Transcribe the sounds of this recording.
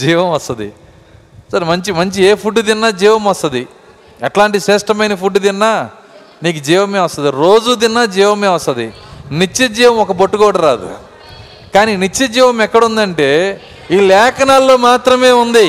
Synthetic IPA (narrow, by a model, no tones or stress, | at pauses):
d͡ʒiːʋɐmɐst̪ɐd̪ḭ | sɐɾmɐɲt͡ʃimɐɲt͡ʃieːpʰuɖːud̪inːaːd͡ʒiːʋɐmɐst̪ɐd̪i | ɛʈlaːɳʈiʃeːsʈɐmɐjnɐpʰuɖːud̪inːaː | niːkud͡ʒiːʋɐmeːʋɐst̪ɐd̪iɾo̞ːd͡ʒud̪inːaːd͡ʒiːʋɐmeːʋɐst̪ɐd̪init͡ʃːed͡ʒiːʋɐmɔkɐpoʈːuɡoːɽɐɾaːd̪ṵ | kaːninit͡ʃːed͡ʒiːʋɐmɛkːɐɽund̪ɐɳʈe̞ː | iːlɛːkʰɐnaːlːo̞ːmaːt̪ɾɐme̞ːund̪i